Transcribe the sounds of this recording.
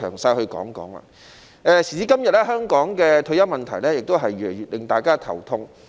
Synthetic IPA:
œ̰ː˨˩ŋsaː˧jhɵ˧ɥkɔ̰ː˨˥ŋkɔ̰ː˨˥ŋlɐ̰ː˧ | ʔɛː˨˧siː˨˩t͡siː˧kɐ˥mjɐ˨t̚lɛ˥ɦœː˥ŋkɔː˨˥ŋkɛː˧t̪ʰɵ˧ɥjɐ˥wmɐ˨nt̪ʰɐ˨˩jlɛː˥jɪ˨k̚t̪o˥wɦɐ˨jːyː˨˩le˨˩jɥy˨t̚lɪ˨ŋt̪aː˨jkaː˥t̪ʰɐ̰˨˩wt̪ʰʊ˧ŋ

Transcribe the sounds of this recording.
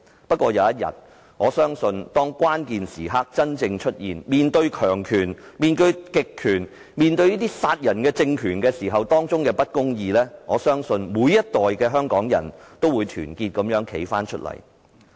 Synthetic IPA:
pɐ˥t̚kʷɔː˧jɐ˨˧wjɐ˥t̚jɐ̰˨t̚ | ŋɔː˨˧sœː˥ŋsɵ˧nt̪ɔː˥ŋkʷaː˥nkiː˨nsiː˨˩ɦaː˥k̚t͡sɐ˥nt͡sɪ˧ŋt͡ʃʰɵ˥t̚jiː˨nmiː˨nt̪ɵ˧ɥkʰœː˨˩ŋkʰyː˨˩nmiː˨nt̪ɵ˧ɥkɪ˨kʰːyː˨˩n | miː˨nt̪ɵ˧ɥjiː˥t̪iː˥saː˧t̚jɐ˨˩nkɛː˧t͡sɪ˧ŋkʰyː˨˩nkɛː˧siː˨˩ɦɐ˨wt̪ɔː˥ŋt͡sʊ˥ŋkɛː˧pɐ˥t̚kʊ˥ŋjiː˧lɛː˥ŋɔː˨˧sœː˥ŋsɵ˧nmuː˨˧jɐ˥t̚t̪ɔː˨jkɛː˧ɦœː˥ŋkɔː˨˥ŋjɐ̰˨˩nt̪o˥wuː˨˧jt̪ʰyː˨˩nkiː˧t̚kɐ˨˥mjœː˨˥ŋkʰe˨˥jfaː˥nt͡ʃʰɵ˥t̚lɐ̰˨˩j

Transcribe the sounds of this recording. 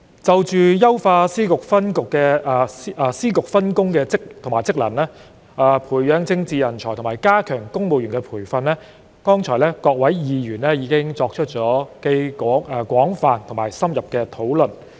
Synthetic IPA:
t͡sɐ˨wt͡ʃyː˨jɐ˥wfaː˧siː˥kʊ˨k̚fɐ˥nkʊ˨kːɛː˧˨˧ | siː˥kʊ˨k̚fɐ˥nkʊ˥ŋkɛː˧t͡sɪ˥k̚t̪ʰo˨˩ŋmaː˨˩jt͡sɪ˥k̚lɐ˨˩nlɛː˥ | aː˨˧pʰuː˨˩jjœː˨˧ŋt͡sɪ˧ŋt͡siː˨˧jɐ˨˩nt͡ʃʰɔː˨˩jt̪ʰmaː˨˩jkaː˥kʰœː˨˩ŋkʊ˥ŋmo˨wjy˨˩ŋkɛː˧pʰuː˨˩jfɐ˧nlɛː˥ | kɔː˥ŋt͡ʃʰɔː˨˩jlɛː˥kɔː˧k̚wɐ˨˥jjiː˨˧ɥyː˨˩nlɛː˥jiː˨˧˥kɪ˥ŋt͡sɔː˧k̚t͡ʃʰɵ˥t̚t͡ʃɔː˨˥ke˧jkɔ˨˥˧kwɔː˨˥ŋfaː˨˧nt̪ʰʊ˨˩maː˨˩jsɐ˥mjɐ˨p̚kɛ˧t̪ʰo˨˥wlɵ˨n

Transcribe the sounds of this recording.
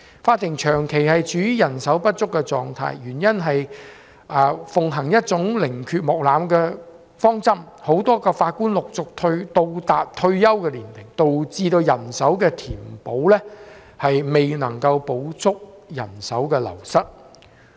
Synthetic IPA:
faː˧t̪ʰːɪ˨˩ŋt͡ʃʰœː˨˩ŋkʰe˨˩jhɐ˨jt͡ʃyː˨˥y˥jɐ˨˩nsɐ˨˥wpɐ˥t̚t͡sʊ˥kːɛ˧t͡sɔ̰ː˨ŋt̪ʰa̰ː˧jjyː˨˩njɐ˥nɦɐ˨j | ɐː˨˩fʊ˨ŋɦɐ˨˩ŋjɐ˥t̚t͡sʊ˨˥ŋlɪ˨˩ŋkʰyː˧t̚mɔː˨k̚laː˨˥mkɛː˧ | fɔː˥ŋt͡sɐ˥m | ho˨˥wt̪ɔː˥kɔː˧faː˧t̚kuː˥nlʊ˨k̚t͡sʊ˨k̚t̪ʰɵ˧ɥt̪o˧wt̪aː˨p̚t̪ʰɵ˧ɥjɐ˥wkɛː˧liː˨˩nt̪ɪ˨˩ŋt̪o˨wt͡siː˧t̪o˧wjɐ˨˩nsɐ˨˥wkɛː˧t̪ʰiː˨˩mpo˨˥wlɛː˥ | hɐ˨jme˨jnɐ˨˩ŋkɐ˧wpo˨˥wt͡sʰʊ˥k̚jɐ̰˨˩nsɐ˨˥wkɛː˧lɐ̰˨˩wsɐ˥t̚

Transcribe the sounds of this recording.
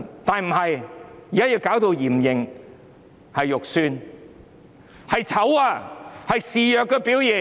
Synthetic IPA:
t̪aː˨˧nm̩˨˩ɦɐ˨jjiː˨kaː˥jiː˧wkaː˨˥wt̪o˧wjiː˨˩mjɪ˨˩ŋ | hɐ˨jːʊ˨k̚syː˧n | hɐ˨jt͡sʰɐ˨˥waː˧hɐ˨jsiː˨jœː˨˧kːɛː˧piː˨˥wji˨

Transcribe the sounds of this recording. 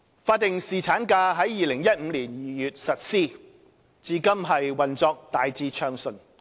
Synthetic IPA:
faː˧t̚t̪ːɪ˨ŋsiː˨t͡sʰaː˨˥nkaː˧ɦɐ˨˥jːiː˨˧lɪ˨˩ŋjɐ˥t̚m̩ː˨˧liː˨˩njiː˨˩jyː˨t̚sɐ˨t̚siː˥˩ | t͡siː˧kɐ˥mɦɐ˨jwɐ˨nt͡sɔː˧k̚t̪aː˨jt͡siː˧t͡ʃʰœː˧ŋsɵ˨˩n

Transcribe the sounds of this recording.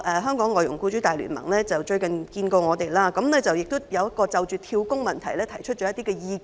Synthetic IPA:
ʔɛː˨ɦœː˥ŋkɔː˨˥ŋlɔː˨jʊ˨˩ŋkuː˧˥t͡ʃyː˨˥t̪aː˨jly̰˨˩nmɐ̰˨˩ŋlɛː˥t͡sɐ˨wt͡ʃɵ˧ɥkɐ˨nkiː˧nko˧ŋɔː˨˧t̪e˨jlaː˥kɐ˨˥mlɛː˥t͡sɐ˨wjɪ˨k̚t̪ʊ˥jɐ˨˧wjɐt̚kɔː˧t͡sɐ˨wt͡ʃyː˨t̪ʰiː˧wkʊ˥ŋmɐ˨nt̪ʰɐ˨˩jlɛː˥t̪ʰɐ˨˩jt͡ʃʰɵ˥t͡ʃɔː˨˥jɐ˥t̪iː˥kɛ˧jiː˧

